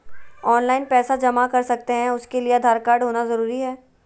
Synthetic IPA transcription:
ɔːnlaːɪnpɛːsad͡ʒɐmakɐɾsɐk̚t̪eɦɛ̃ʊskeliead̪ʱaːɾkaːɾɖɦoːnazɐɾuːɾiɦɛː

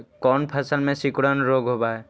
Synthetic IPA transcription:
kɔːnpʰəsəlmẽsikɽənɾoɡɦobaɦɛ

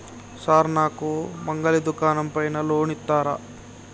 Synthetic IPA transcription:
saːɾnaːkumɐŋɡɐlid̪ukaːnɐmpɐjnɐloːɳit̪ːaːɾɐ̰

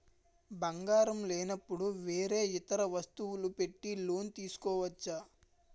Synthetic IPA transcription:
bɐŋɡaːɾɐmleːnɐpːuɽuʋeːɾe̞ːit̪ɐɾɐʋɐst̪uwulupe̞ʈːilo̞ːnt̪iːsu̥kɔːʋɐt͡ʃːɐ

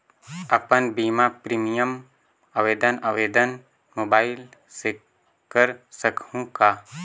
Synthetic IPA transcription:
ɐpənbiːmapɾiːmijəm | aʋeːd̪ənaʋeːd̪ən | moːbaːɪlse | kəɾsəkʰũka

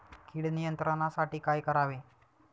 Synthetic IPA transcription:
kiɽnijənt̪ɾanasaʈiːkajkəɾaʋi

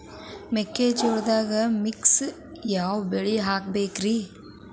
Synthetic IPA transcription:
mekːeːt͡ʃoɽd̪aːɡɐmiks | jaːʋbeɭiɦaːk̚beːkɾi

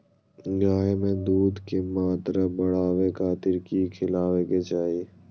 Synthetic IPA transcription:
ɡaːɦemẽd̪uːd̪kemaːt̪ɾabəɽ̤aːʋekʰaːt̪ɪɾkikʰɪlaːʋeket͡ʃaːie

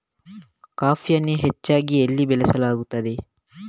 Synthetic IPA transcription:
kaːfʰijɐnːeɦet͡ʃːaːɡielːibɛlɛsɐlaːɡut̪ːɐd̪e̞

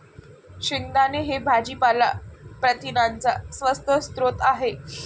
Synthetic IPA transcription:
ɕiŋd̪aneɦebʱad͡ʑiːpalapɾət̪inant͡sasʋəst̪ʰəst̪ɾot̪aɦe

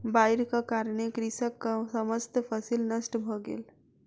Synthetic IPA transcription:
bajɾkəkaɾənekɾisəkːəsəməd͡ʒt̪pʰəsilnəsʈbʱɔɡḛl

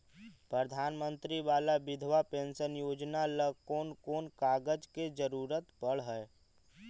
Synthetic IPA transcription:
pɾəd̪ʱaːnmə̃nt̪ɾiʋaːlabɪd̪ʱʋapẽːnsənjoːd͡ʒnaləkoːnkoːnkaːɡəd͡ʒked͡ʒəɾuːɾət̪pəɽ̤ɦɛː

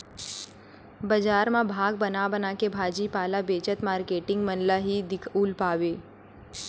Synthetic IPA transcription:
bəd͡ʒaːɾmãbʱaːɡ̚bənabənaːkebʱaːd͡ʒipaːlabeːt͡ʃət̪maːɾkeːʈɪ̃ŋɡmənlaɦid̪ɪkʰuːlpaːʋeː

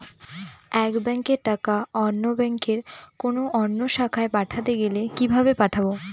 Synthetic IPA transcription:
ɛkbɛŋkeɾʈakaɔnːobɛŋkeɾkonoʔɔnːoʃakʰaepaʈʰat̪eɡelekibʱabepaʈʰabo

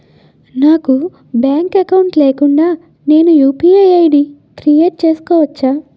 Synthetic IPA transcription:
naːku | bjaːŋkɐkɐwɳʈle̞ːkuɳɖaː | ne̞ːnujuːpiːɐjɐjɖi | kɾijeːʈ̚t͡ʃe̞ːsu̥kɔːʋɐt͡ʃːaː

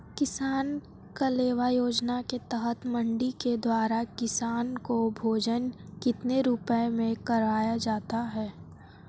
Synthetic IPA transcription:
kɪsaːn | kaleːʋajoːd͡ʒnaket̪əɦət̪mə̃ɳɖiked̪waːɾakɪsaːnkobʱoːd͡ʒənkɪt̪neɾʊpəemẽkɐɾaːjad͡ʒaːt̪aɦɛː

